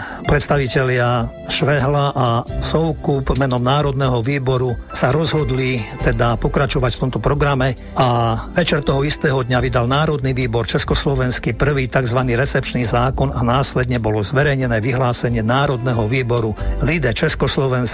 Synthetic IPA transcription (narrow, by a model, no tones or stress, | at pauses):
pɾɛt̪st̪aʋicɛlɪa | ʃʋɛɦlaʔasɔʊkubmɛnɔmnaːɾɔd̪nɛɦɔʋiːbɔɾusaɾɔzɦɔd̪lit̪ɛd̪apɔkɾat͡ʃɔʋacft̪ɔmt̪ɔpɾɔɡɾamɛ | aʋɛt͡ʃɛɾt̪ɔɦɔist̪ɛːɦɔd̪ɲaʋid̪alnaːɾɔd̪niʋiːbɔɾt͡ʃɛskɔslɔʋɛnskipr̩ʋiːt̪aɡzʋaniːɾɛt͡sɛpt͡ʃniːzaːkɔnanaːslɛd̪ɲɛbɔlɔzʋɛɾɛjɲɛnɛːʋiɦlaːsɛɲɪɛnaːɾɔd̪nɛɦɔʋiːbɔɾulid̪ɛt͡ʃɛskɔslɔʋɛns